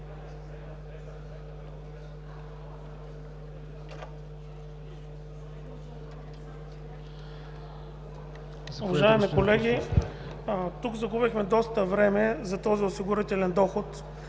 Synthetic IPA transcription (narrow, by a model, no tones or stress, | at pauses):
ʊvɐʒaɛmikolɛɡʲi | t̪ukzɐɡubixmɛd̪ɔst̪əvɾɛmɛzɐt̪ɔziʊsiɡʊɾit̪ɛlɛnd̪ɔxʊt̪